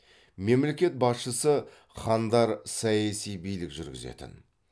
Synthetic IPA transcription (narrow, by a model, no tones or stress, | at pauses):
me̞mle̞kʲe̞t̪̚bɑsʃəsə | χɑnd̪ɑɾsɑjɑsijbijlɪkʒʏɾɡʲɪ̰zḛt̪ɪ̰n